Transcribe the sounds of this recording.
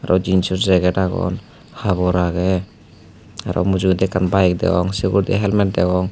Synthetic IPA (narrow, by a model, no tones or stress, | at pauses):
aɾɔd͡ʒinsɔɾzɛɡɛtaɡɔ̰n | haβɔɾaɡɛ | aɾɔ̰mud͡ʒud̪ɛkanbajk̚dɛ̰ɡɔŋsiɡuɾd̪ɛɦɛlmɛt̚dɛɡɔŋ